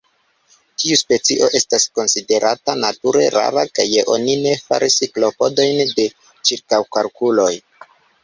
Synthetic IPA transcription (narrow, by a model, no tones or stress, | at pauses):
tʰiuspe̞t͡siʔo̞ʔe̞stasko̞nside̞ɾʔatanatuɾe̞ɾa̰ɾaka̰jːeʔo̞̰nine̞fa̰ɾʔisiklo̞po̞do̞jnde̞ | t͡ʃiɾkawkalkulo̞j